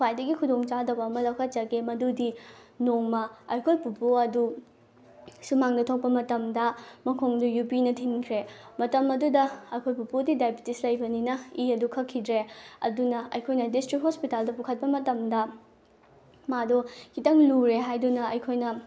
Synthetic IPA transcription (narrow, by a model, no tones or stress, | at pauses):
wajdɐɡikʰudoŋt͡ʃadɐbɐːmɐlɐwkʰɐt̚t͡ʃɐɡemɐdudi | noŋmɐɐjkʰojpupoɐdu | sumaŋdɐtʰɐk̚pɐmɐtɐmdɐmɐkʰoŋdujupinɐtʰinkʰɾemɐtɐmɐdudɐɐjkʰojpupodidajbitislɐjbɐninɐiɐdukʰɐkʰːidɾeɐ̰dunɐɐ̰jkʰojnɐdistɾik̚hospitaldɐpukʰɐt̚pɐmɐtɐmdɐ | madokʰitɐŋluɾeɦajdunɐɐjkʰojnɐ